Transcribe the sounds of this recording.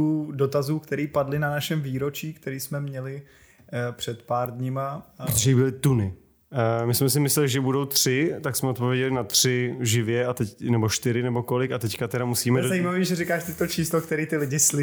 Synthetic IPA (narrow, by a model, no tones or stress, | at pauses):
uːdo̞t̪azuːkt̪ɛɾiːpadlɪnanaʃɛmviːɾo̞t͡ʃiːkt̪ɛɾiːsmɛmɲɛlɪ | pr̝̥ɛt̪paːɾdɲɪmaɾt̪oʒɛɪbɪlɪt̪unɪ | mɪsmɛsɪmɪslɛlɪʒɛbudo̞wt̪r̥ɪt̪aksmɛt̪̚povjɛɟɛlɪnat̪r̝̥ɪʒɪvjɛat̪ɛnɛboʃt̪ɪɾɪnɛbo̞kolɪkat̪ɛckat̪ɛɾamusiːmɛzajiːmaviːʒɛɾɪkaːʃt̪ɪt̪ot͡ʃiːslokt̪ɛɾiːt̪ɪlɪɟɪslɪ